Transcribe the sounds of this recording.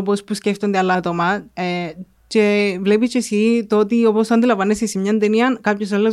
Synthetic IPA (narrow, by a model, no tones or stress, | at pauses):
opospusceft̪o̞nd̪eɐlːɐt̪omɐe | ce̞vle̞pit͡ʃesit̪oot̪io̞posɐnd̪ilɐvɐnesesimɲɐnd̪eniɐnkɐpços̬ɐlːo